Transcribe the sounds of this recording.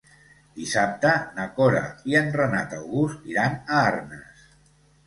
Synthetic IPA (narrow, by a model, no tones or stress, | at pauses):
d̪̥isap̚t̪ənəkoɾa̰iənrəna̰t̪əwɣust̪iɾanəaarnəs